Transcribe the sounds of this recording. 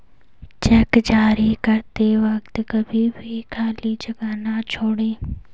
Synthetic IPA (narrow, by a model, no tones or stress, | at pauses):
t͡ʃɛːkd͡ʒaːɾikəɾt̪eʋɐkt̪kəbʱibʱikʰaːlid͡ʒɐɡaːnat͡ʃʰoːɽeː